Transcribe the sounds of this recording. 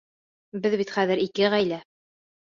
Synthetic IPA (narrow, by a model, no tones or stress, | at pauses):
bɘðβit̪χæðɘɾikɘʁæjlæ